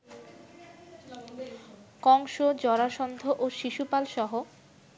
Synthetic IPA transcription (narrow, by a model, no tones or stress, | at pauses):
kɔŋʃod͡ʑɔɾaʃɔnd̪ʱoʔoʃiʃupalʃɔɦo